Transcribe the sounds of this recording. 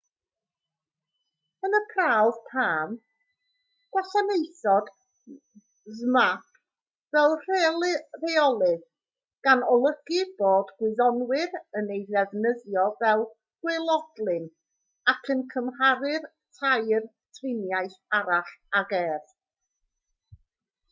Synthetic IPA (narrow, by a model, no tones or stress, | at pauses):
ənəpʰrawð̥pʰaːm | ɡ̥waɬanejθɔd̥ | zmap̚ʰ | vɛlˠr | reɔlˠɨð | ɡ̥anɔlˠəɡ̥ɨboːdɡwɪðɔnwɪɾənejðɛvnəðjɔvɛlˠ | ɡ̥wɪlˠɔd̥lˠɨn | akʰənkʰəmhaɾɨr | tʰajr | tʰrɪnjajθaɾaɬaɡɛːð